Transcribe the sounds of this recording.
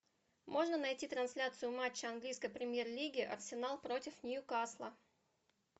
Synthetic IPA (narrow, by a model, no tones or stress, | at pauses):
mʔo̞ʐnənɐjtʲit̪ɾɐnsʲlʲat̪sɨjʊmat͡ɕːɪɐnɡlʲijskəjpɾʲɪmʲje̞rlʲiɡʲɪʔɐ̰rsʲɪnalˠpɾo̞tʲɪfnʲɪjukaslˠə̰